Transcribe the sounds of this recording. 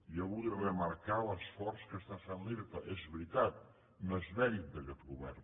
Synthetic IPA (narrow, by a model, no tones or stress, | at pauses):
jiaβuðəβeməɾkaləsfɔɾskəst̪afanliɾt̪əʔezβɾit̪at̪̚ | nəzβɛɾit̪̚d̪əkɛt̪ɣuβɛ̰r